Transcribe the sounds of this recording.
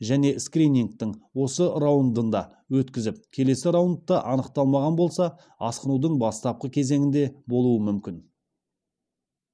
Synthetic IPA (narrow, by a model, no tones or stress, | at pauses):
ʒæne̞skrʲinʲiŋk̚t̪ɪɴwo̞səɾawənd̪ənd̪ɑ | wɵt̪kʲɪzɪp̚kʲʰe̞le̞sɪɾawənt̪ːəʔɑnəqt̪ɑlˠmɑʁɑnbo̞lˠsɑ | ɑsqənud̪əɴbɑst̪ɑp̚qəkʲʰe̞zeŋɪnd̪e̞bo̞lˠuəmʏmkʲɪn